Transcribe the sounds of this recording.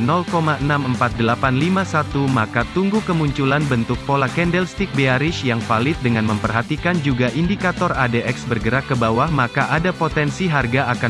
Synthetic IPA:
nɔlkomaənaməmpat̪̚dəlapanlimasat̪umakat̪uŋɡukəmuɲt͡ʃulanbənt̪ʊk̚polakɛndɛlst̪ik̚beaɾɪʃjaŋfalɪt̪̚dəŋanməmpərɦat̪ikand͡ʒuɡaʔindikat̪ɔradeʔɛksbərɡəɾakːəbawahmakaʔadapot̪ɛnsiɦarɡaaka

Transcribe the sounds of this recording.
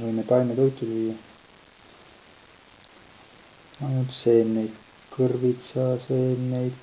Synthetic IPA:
vɤjmet̪ɑlʲmet̪ojt̪ːˑulviːjːɑ | ɑjnut̪seːnejd̪ | kɤrvit̪sɑseːnejd̪̥

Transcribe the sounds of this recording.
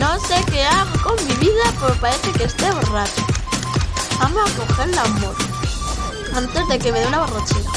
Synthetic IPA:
nosekeaɣokommiβiðapeɾopaɾeθekest̪eβorat͡ʃo̥ | amoakoxeɾlamoɾ | ant̪e̞zðe̞kemeðeunaβorot͡ʃina

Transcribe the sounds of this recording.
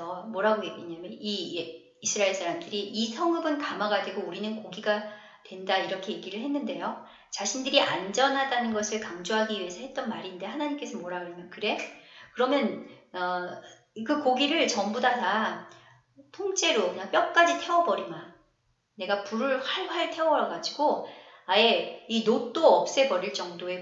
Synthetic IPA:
ʌmoɾɦaɡoɡe̞k͈eɲamjʌniː | sʰɯɾaeɭs͈ʰaɾamdɯɾiʔisʰʌŋɯbɯnkamaɡadwe̞ɡouɾinɯnkoɡiɡa | twe̞ndaiɾʌkʰe̞je̞ɡiɾɯɭɦe̞nːɯnde̞jo | t͡ɕaɕʰindɯɾiʔand͡ʑʌnɦadanɯnɡʌsʰɯɭkaŋd͡ʑoɦaɡiɥie̞sʰʌhe̞t̚t͈ʌnmaɾinde̞hanaɲimk͈e̞sʰʌmoɾaɡɯmjʌnkɯɾe̞kɯɾʌmjʌnʌ | kɯkoɡiɾɯɭt͡ɕʌmbudata | tʰoŋt͡ɕ͈ʰe̞ɾokɯɲaŋp͈jʌk̚k͈ad͡ʑitʰe̞ʌbʌɾima | ne̞ɡapuɾɯɭhaɭɸaɭtʰe̞ʌɾʌɡad͡ʑiɡoae̞inot͈oʌp̚s͈e̞pʌɾiɭt͡ɕ͈ʌŋdoe̞

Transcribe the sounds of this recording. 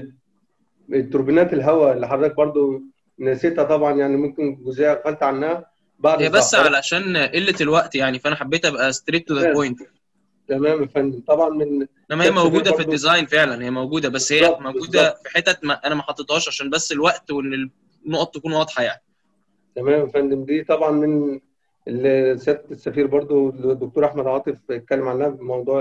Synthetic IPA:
et̪ːoɾbinæːt̪elɦæwæelːiħɑrˤːeːk̚bɑɾˤd̪ˤo | næset̪hæt̪ˤɑbʕɑnjaʕnimomkenɡozehæd̪xælt̪ʕanːæhæ | baʕd̪ejæbæsːʕalæʃæːnʔelːet̪elwæʔt̪jaʕnifæʔænæħabːeːt̪ʔæbæʔæst̪ɾiːt̪ðæpojnt̪ | t̪æmæːmæfændt̪ˤɑbʕɑnmenʔenæmæhejæmæwɡuːd̪æfid̪izɑjnfeʕlænhejːæmæwɡuːd̪æbæsːhejːæmæwɡuːd̪æfiħet̪ːæmæʔænæmæħɑt̪ˤːet̪hɑːʃʕaʃæːnbæsːelwæʔt̪wenːe | nːoʔt̪ɑˤt̪ːækuːnwɑːd̪ˤħɑjaʕni | t̪æmæːmfænd̪emd̪iːt̪ˤɑbʕɑnmen | elsæːt̪t̪esːæfiːɾbɑɾˤd̪ˤod̪okt̪oɾʔaħmæd̪ʕɑːt̪ˤefet̪̚kælːemʕalːæhfmɑwd̪ˤuːʕ

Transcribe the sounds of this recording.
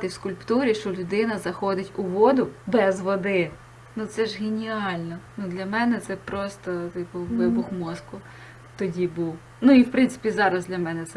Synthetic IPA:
t̪ɪwskʊlʲpt̪uɾʲiʃt͡ʃɔlʲʊd̪ɪnɐzɐxɔd̪ɪtʲʊʋɔd̪ʊbɛzʋɔd̪ɪ | nut̪sɛʒɣenʲiɑlʲnɔnud̪lʲɐmɛnɛt̪sɛpɾɔst̪ɔt̪ɪpɔʋɪbʊxmɔskʊ | t̪ɔdʲibuw | nuiwpɾɪnsɪ̥pʲizɑɾɐzd̪lʲɐmɛnɛt̪sɛ

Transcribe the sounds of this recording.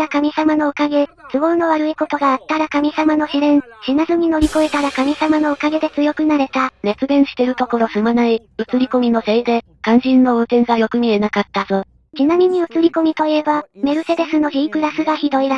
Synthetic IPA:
ɾakamʲisamano̞okaɡe̞ | sɨɡo̞ːno̞βaɾɯ̟iko̞t̪o̞ɡaːt̪ːaɾakamʲisamano̞ɕiɾẽ̞ɰɕinazɨɲ̟ino̞ɾʲiko̞e̞t̪aɾakamʲisamano̞okaɡe̞d̪e̞t͡sɨjo̞kɯ̟naɾe̞t̪aɾe̞t͡sɨd̪ẽ̞ɰ̃ɕi̥t̪e̞ɾɯ̟t̪o̞ko̞ɾo̞sɨmanai | ɯ̟t͡sɨɾʲiko̞mʲino̞seid̪e̞ | kãñʑĩnːo̞ɯːt̪ẽ̞ŋɡajo̞kɯ̟mʲie̞nakat̪ːazo̞ | t͡ɕinamʲiɲ̟iɯ̟t͡sɨɾʲiko̞mʲit̪o̞ie̞bame̞ɾɯ̟se̞d̪e̞sɨno̞çʲiikɯ̟ɾasɨɡaçid̪o̞iɾa

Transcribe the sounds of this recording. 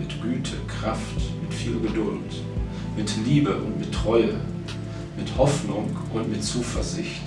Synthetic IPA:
mɪtɡ̥yːtʰəkʁ̥aftmɪtfiːlɡədʊlt | mɪtliːbəʔʊntmɪtʁ̥ɔʏə | mɪthɔfnʊŋ | ʔʊntmɪtt͡suːfɛɐzɪçt

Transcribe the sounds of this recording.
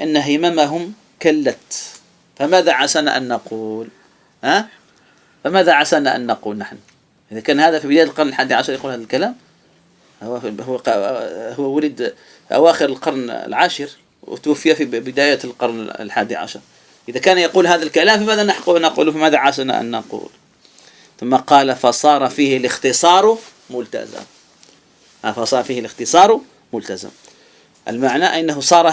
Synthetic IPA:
lʔanːaɦɪmamaɦʊm | kalːat̪ | famaːðaʕasaːna̰ʔa̰nːɑquːl | haː | famaːðaʕasaːnaʔa̰nːɑquːlnaħn | ʔɪðakaːnhaːðafibɪd̪aːjalqɑɾˤnɪlħaːd̪iʕaʃɑɾˤjɑquːlhaːðalkalaːm | hhʊ | hʊwːawalɪd̪ | ʔa̰waːxɪɾɪlqɑɾˤn̰lʕaːʃɪɾ | w̰t̪wafːɪjafibɪd̪aːjalqɑɾˤnlħaːd̪iʕa̰ʃɑɾˤ | ʔɪðakaːnjɑquːlɦaːðalkalaːmfimaːd̪alnaħqunɑqṵːlufimaːðaʕasna̰ʔa̰nːɑqṵːl | θʊmːaqɑːlafɑsˤɑːɾˤɑfiːhɪlɪxt̪ɨsˤɑːɾˤ | mʊlt̪a̰zɪ̰m | afɑsˤɑːɾˤfiːhɪlɪxt̪ɨsˤɑːɾˤ | mʊlt̪azɪ̰m | ʔɪ̰lmaʕnaʔanːaɦʊsˤɑːɾˤɑ

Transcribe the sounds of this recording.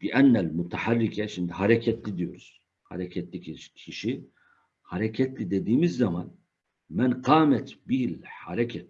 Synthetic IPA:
liʔænːælmut̪ʰaħarːicʰɛʃind̪ihaɾɛcʰɛt̪lid̪ijoɾuz̥ | ha̰ɾɛcʰɛt̪licʰiʃcʰiʃi | haɾɛcʰɛt̪ʰlid̪ed̪iːmizːɑman | mænqɑːmɛt̪bihilhaɾɛcʰɛt̪̚

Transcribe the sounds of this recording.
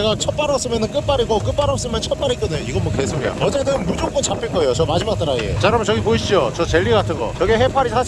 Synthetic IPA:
eɡat͡ɕʰʌp͈aɾʌp̚s͈ɯmjʌnɯnk͈ɯp͈aɾiɡok͈ɯp͈aɾʌp̚s͈ɯmjʌnt͡ɕʰʌt̚p͈aɾik͈ʌnejoiɡʌmwʌkes͈ʰomia̰ʌd͡ʑe̞dɯnmud͡ʑok͈unt͡ɕapʰiɭk͈ʌe̞jot͡ɕʌmad͡ʑimak̚t͈aɾaiet͡ɕaɾamɯt͡ɕʌɡipoiɕ͈iot͡ɕʌt͡ɕe̞ʎːiɡatʰɯnɡʌ̰t͡ɕʌɡieɦepʰaɾisʰa

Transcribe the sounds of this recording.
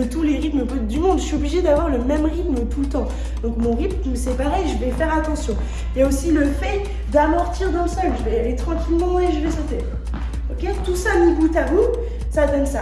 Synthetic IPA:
ət̪uleʁit̪məp | d̪ymɔ̃d̪əsɥiɔbliʒed̪avwaʁləmɛmʁit̪mət̪ulət̪ɑ̃ | d̪ɔ̃kmɔ̃ʁit̪ | məsepaʁɛʒəvɛfɛʁat̪ɑ̃sjɔ̃ | jaosiləfɛ | d̪amɔʁt̪iʁd̪ɑ̃ləsɔlʒəvɛalet̪χɑ̃kʲilmɑ̃eʒəvɛsɔt̪eʁ | ɔkʲet̪usaməɡut̪amu | sad̪ɔnsa

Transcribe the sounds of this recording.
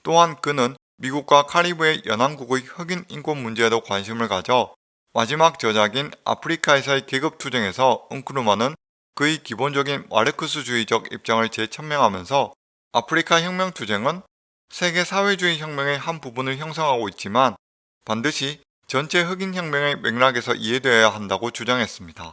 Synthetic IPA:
t͈oɦankɯnɯn | miɡuk̚k͈wakʰaɾibue̞jʌnɦaŋɡuɡɯhɯɡinink͈onmund͡ʑe̞dokwanɕ̬ʰimɯɭkad͡ʑʌ | mad͡ʑimak̚t͡ɕʌd͡ʑaɡina̰pʰɯɾikʰaesʰaekeɡɯp̚tʰud͡ʑe̞ŋe̞sʰʌɯŋkʰɯɾumanɯn | kɯikibond͡ʑʌɡinwa̰ɾɯkʰɯs̬ʰɯd͡ʑuid͡ʑʌɡḭp̚t͡ɕ͈aŋɯɭt͡ɕe̞t͡ɕʰʌmmjʌŋɦamjʌnsʰʌ | apʰɯɾikʰaçjʌŋmjʌŋtʰud͡ʑe̞ŋɯn | sʰe̞ɡe̞sʰawe̞d͡ʑuiçjʌŋmjʌŋe̞hanpubunɯɭçjʌŋs̬ʰʌŋɦaɡoit̚t͡ɕ͈iman | pandɯɕʰi | t͡ɕʌnt͡ɕʰe̞ɦɯɡinçjʌŋmʲjʌŋe̞we̞ŋnaɡe̞sʰʌ̰ʔiɦe̞dwe̞jaɦandaɡot͡ɕud͡ʑaŋɦe̞s͈ɯmɲida

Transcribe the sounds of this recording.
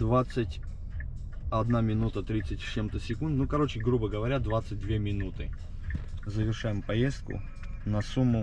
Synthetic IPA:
d̪vat̪sɨtʲ | ɐd̪namʲɪnut̪ət̪ɾʲit̪sɨtʲt͡ɕe̞mt̪əsʲɪkund̪t̪nukɐɾo̞t͡ɕɪɡɾubəɡəvɐɾʲad̪vat̪sɨt̚ʲd̪vʲe̞mʲɪnut̪ɨ | zəvʲɪrʂajɪmpɐjest̪̚kʊ̰ | nɐsumːʊ

